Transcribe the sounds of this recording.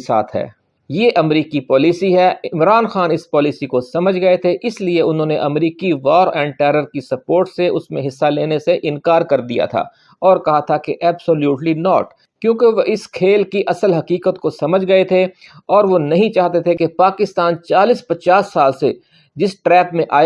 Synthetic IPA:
sa̰ːt̪ɦɛ̰ː | jeːʔɐmɾiːkipɔːlisiɦɛɪmɾaːnxaːnɪspɔːlisikosɐməd͡ʒʱɡɐet̪ʰeʔɪslieʊnɦõːneʔɐmɾiːkiʋɔːɾɛ̃ːɳɖʈɛːɾəɾkisɐpoːɾʈseʊsmẽɦɪsːaleːneseʔɪ̃nkaːɾkɐɾd̪ija̰t̪ʰa̰ː | ɔːɾkɐɦat̪ʰakeʔɛːbsoljuːʈlinɔːʈ | kjõːkeʋoʔɪskʰeːlkiʔɐsəlɦɐkiːkət̪kosɐməd͡ʒʱɡɐet̪ʰe | ɔːɾʋonɐɦĩt͡ʃaːɦt̪et̪ʰekepaːkɪst̪aːnt͡ʃaːliːspɐt͡ʃaːsːaːlse | d͡ʒɪsʈɾɛːpmẽʔaː

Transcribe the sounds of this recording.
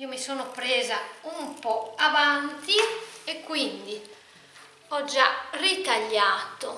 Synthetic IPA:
iːomisoːnopɾɛːzaumpɔavant̪iɛkːwind̪i | ɔd͡ʒːarit̪aʎːaːt̪o

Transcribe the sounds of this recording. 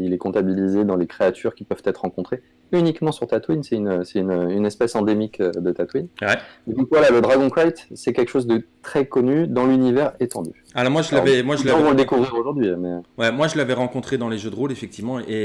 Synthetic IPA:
ilɛkɔ̃t̪abilized̪ɑ̃lekχeat̪ʰyʁkʲipœv̥t̪ɛt̪χʁɑ̃kɔ̃t̪χe | ynikmɑ̃syʁt̪at̪winsɛynøsɛt̪ynøynɛspɛsɑ̃d̪emikød̪ət̪at̪winwɛed̪ɔ̃kvwalaləd̪ʁaɡɔ̃kχajt̪sɛkʲɛlkə̥ʃozd̪ət̪χɛkɔnyd̪ɑ̃lynivɛʁet̪ɑ̰̃d̪y̰ | alɔʁmwaʒəlavɛmwaʒuʒɑ̃vɔ̃ləd̪ekuvʁiʁoʒuʁd̪ɥimɛwɛmwaʒəlavɛʁɑ̃kɔ̃t̪χed̪ɑ̃leʒød̪əʁolefɛk̚t̪ivmɑ̃e

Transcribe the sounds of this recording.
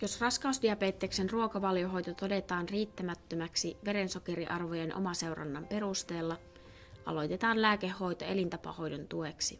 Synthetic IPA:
jo̞srɑskɑust̪iɑpeːt̪ːeːksenruo̞kɑʋɑljoɦo̞jt̪ot̪o̞de̞t̪ɑːnriːt̪ːæmæt̪ːømæksiʋe̞ɾe̞nso̞ke̞ɾiʔɑrʋo̞jɑnʔo̞̰mɑse̞wrɑ̰nːɑmpe̞ɾust̪e̞ːlːɑ | ʔɑ̰lo̞jt̪et̪ɑːnlæːkeːo̞jt̪oe̞lint̪ɑpɑ̰ho̞jdo̞nt̪ue̞ksi

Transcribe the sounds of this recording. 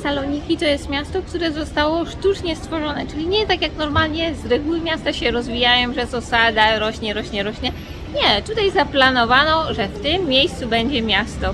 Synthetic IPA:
salɔɲikʲit̪ɔjɛst̪mʲjast̪ɔk̚t̪uɾɛzɔst̪awɔʂt̪ut͡ʂɲɛst̪fɔʐɔnɛt͡ʂɘlʲiɲɛt̪akjaknɔɾmalɲɛzɾɛɡuwɘmʲjast̪aɕɛɾɔzvʲijajɔ̃w̃ʐɛzɔsad̪aɾɔɕɲɛɾɔɕɲɛɾɔɕɲɛ | ɲɛt̪ut̪ajzaplanɔvanɔʐɛft̪ɘmːʲejst̪subɛɲd͡ʑɛmʲjast̪ɔ

